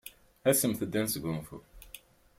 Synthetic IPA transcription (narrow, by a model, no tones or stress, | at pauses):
æsəmθəd̪ːænsɡumfṵ